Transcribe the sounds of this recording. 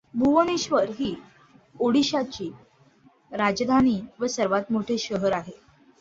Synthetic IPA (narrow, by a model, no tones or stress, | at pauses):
bʱuʋəniɕʋəɾɦiː | oɽiɕat͡ɕiː | ɾad͡ʑd̪ʱañiːʋəsəɾʋat̪moʈʰeɕəɦəɾaɦe